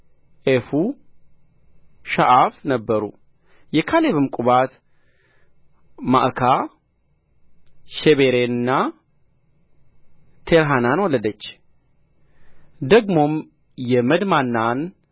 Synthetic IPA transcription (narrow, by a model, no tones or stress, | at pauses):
ʔefu | ʃaʔafnəbːəɾṵ | jɛkʰaleβɨmkʼuβat̪ | ma̰ʔkʰa | ʃeβeɾenɨnːa | t̪ʰeɾɦananwɔləd̪ət͡ʃː | d̪əɡmo̞m | jɛməd̪manːan